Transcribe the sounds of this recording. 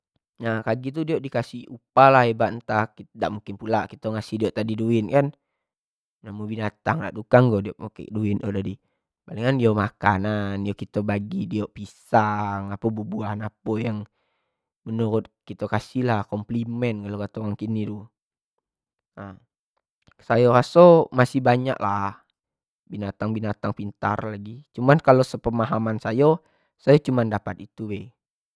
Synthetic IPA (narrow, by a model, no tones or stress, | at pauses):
nakaɡit̪̬udioʔdikasiupalaɦebaʔnt̪akidaʔmuŋkɪnpulaʔkit̪oŋasihdioʔt̪adiduinkan | namubinat̪aŋda̰ʔt̪ukaŋɡodioʔokḛduinodadi | baliŋkandiomakananjokit̪obaɡidioʔpisaŋapəbubuanapojaŋ | mənuɾʊt̪̚kit̪okasilahkɔmplimɛnɡalokat̪oaŋkinidu | a | sajoɾasomasihbaɲa̰ʔlah | binat̪aŋbinat̪aŋpint̪a̰rlaɡit͡ʃumankalosəpəmaɦamansajo | sajat͡ʃumandapat̪it̪uwe